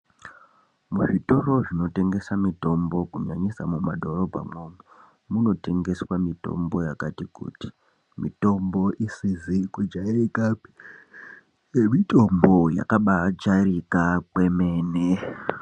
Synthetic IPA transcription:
muʐito̞ro̞ʐino̞te̞ŋɡe̞samito̞mbo̞kuɲaɲisa̰mumadʱo̞ro̞bʱa̰momu | muno̞te̞ŋɡe̞swamito̞̰mbo̞jakatikṵːti̥ | mḭto̞mbo̞ʔisizikud͡ʒaekaːpi̥ | jemito̞mbo̞ja̰kaɓat͡ʃarikakwe̞me̞ːne

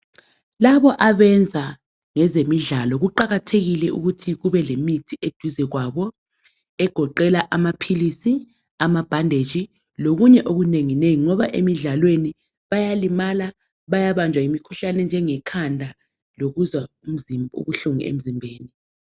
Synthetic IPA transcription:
laɓɔʔaɓɛnd͡zʱa | ŋɛzemiɮalɔɣ̬uǃaɣatʰeɣilɛʔṵɣutʰiɣuβɛlemitʰiʔed̥ʱuzɛɣ̬waɓɔ | ɛɡ̥ʱɔǃɛlaʔamapʰilisi | amab̥ʱandʱed̥d͡ʒ̥ʱi | loɣuɲɛʔoɣuneŋineŋiŋɔβaʔemiɮalweni | ɓajalimala | ɓajaɓand͡ʒʱwaimikʰuɬanɛnd͡ʒʱɛŋɛkʰandʱa | loɣuzwaum̩ṵɣuɬuŋḭḛm̩zimbʱeːni

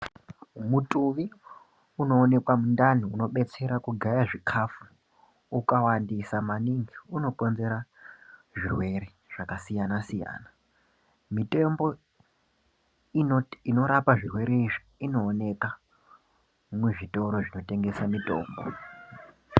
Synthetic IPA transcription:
mutʼuʋi | uno̞ːne̞kwamundan̤iuno̞ɓe̞t͡se̞ɾakuɡʱajaʐikʰafu | ukawandisamaniŋɡiuno̞ko̞nze̞ɾa | ʐirwe̞ɾe | ʐ̥akasijanasija̰ːna | mite̞mbo̞ | ino̞ɾapaʐirwe̞ɾeiʐi | ino̞ːne̞ka | mweʐito̞ɾo̞ʐino̞te̞ŋɡe̞samito̞̰ːmbo̰

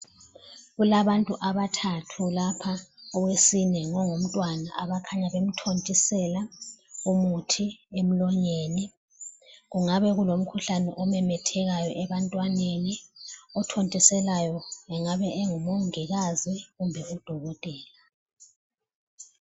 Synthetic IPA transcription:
ɣulaβantʼuʔaβatʰatʰulapʰaɔwesinɛŋɔŋum̩tʼwana̰ʔaβakʰaɲaβem̩tʰontʼisɛlaumutʰiem̩lɔɲeːni | ɣuŋaβɛɣulom̩kʰuɬanɛʔɔmɛmɛtʰɛɣajɔʔɛβantʼwaneniɔtʰontʼisɛlajɔɛŋaβɛeŋumoŋiɣaziɣumbʱɛud̥ʱɔɣɔtʼɛːla

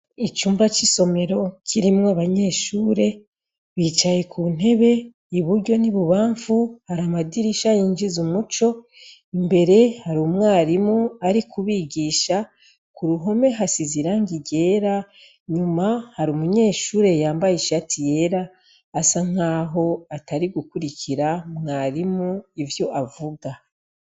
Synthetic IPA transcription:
it͡ʃuːmbuɾat͡ʃiso̞me̞ɾo̞cʰiɾimŋoaβaɲe̞ːʃuːɾe̞ | βiːt͡ʃaje̞kʰun̥e̞βe̞ | iβuɾɟo̞niβuβaːɱfuhaɾamadiɾiʃajiɲd͡ʒizumut͡ʃo̞ | imbe̞ɾe̞haɾuːmŋaːɾimuaɾikʰuβiɡiːʃa | kuɾuɦo̞me̞ɦasiziɾaŋɡiɟe̞ːɾa | ɲumahaɾumuɲe̞ːʃuːɾe̞jaːmbajiʃatʰije̞ɾaː | saŋ̥aːɦo̞ataɾiɡukuɾicʰiɾamŋaːɾimuivjo̞ʔavuɡa

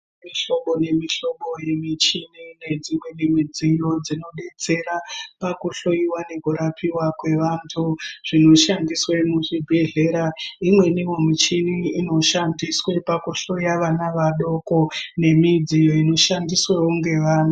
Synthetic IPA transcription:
miɬo̞ɓo̞ne̞miɬo̞ɓo̞je̞mit͡ʃinine̞d͡zimwe̞nimid͡zijo̞d͡zino̞ɓe̞t͡se̞ɾapakuɬojiwane̞kuɾapʰiwakwe̞ʋantʰuʐ̥ino̞ʃandiswemuʐibʱe̞ɮe̞ɾaimwe̞niwomit͡ʃiʋiino̞ʃandiswe̞pakuɬo̞ijaʋanaʋaɗo̞ko̞ne̞mid͡zijoino̞ʃandiswewoŋɡe̞ʋaːna

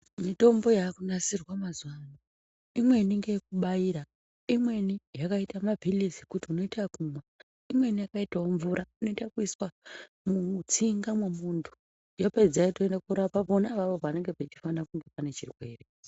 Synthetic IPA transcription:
mito̞mbo̞jakunasirwamazuamo | imwe̞niŋɡejek̚uɓajiːɾa | imwe̞nijakaitamavʱilisikutiuno̞itakumwa | imwe̞nijakaitaoɱvuɾauno̞itakuiswa | mut͡siŋɡamwemuntʰu̥ | joped͡zaitoendakuɾapaponaʋaʋo̞ʋane̞ŋɡepet͡ʃi̥fanakuŋɡe̞pane̞t͡ʃirwe̞̰ːre

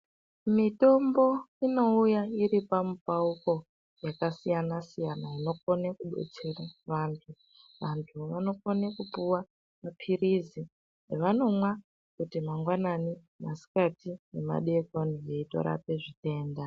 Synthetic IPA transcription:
mito̞mbo̞ino̞ujaiɾipamupauko̞ | jakasijanasijanaino̞ko̞nekuɓe̞̰t͡se̞raʋaːntʰu | ʋantʰuʋano̞konekupuwa | mapʰiɾizi | eʋano̞mwa | kutimaŋɡwanani | masi̥katinema̰ɗekonije̞ito̞̰ɾa̰pe̞ʐite̞ːnda

